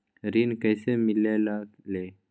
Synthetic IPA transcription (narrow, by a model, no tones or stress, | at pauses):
ɾiːnkəːsemɪleːlaːleː